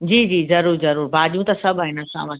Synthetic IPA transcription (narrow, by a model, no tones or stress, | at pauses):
d͡ʑiːd͡ʑiːzɐɾuːɾzɐɾuːɾbaːdijũt̪ɐsɐbʱaːɦɪnɐsa̰ːʋɐ̃